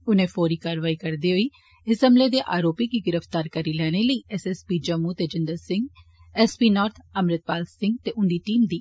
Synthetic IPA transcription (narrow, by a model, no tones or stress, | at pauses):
ʊnẽːpʰoːɾiːkaːɾʋaːikəɾd̪iɦoːiː | ɪsə̃mbleːd̪eːʔaːɾoːpikiɡɪɾəft̪aːɾkəɾiːlɛːɽ̃eləiːɛsɛspiːd͡ʒəmut̪eːd͡ʒɪ̃nd̪əɾsɪ̃ŋɡ | ɛːspiːnɔːɾt̪ʰəmɾɪt̪̚paːlsɪ̃ŋɡt̪eːʔʊɳɖiːʈiːmd̪iː